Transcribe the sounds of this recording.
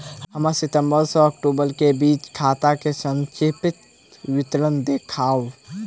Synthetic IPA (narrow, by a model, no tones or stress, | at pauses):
ɦəməɾsit̪əmbəɾsə̃əkʈubəɾkebit͡ʃkʰat̪akesə̃nt͡ʃipit̪ | ʋit̪ɾənd̪ekʰau